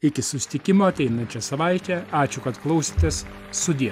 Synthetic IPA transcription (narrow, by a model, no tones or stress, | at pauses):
ɪkʲɪsʊsʲɪ̥t̪ʲɪkʲɪmoːɐt̪ʲɛɪnɐnʲt͡ʃʲɛsɐʋɐɪt̪ʲɛɑːt͡ʃʲʊkɐt̪klˠɐʊsʲit̪ʲeɛsː | ʊd̪ʲiɛ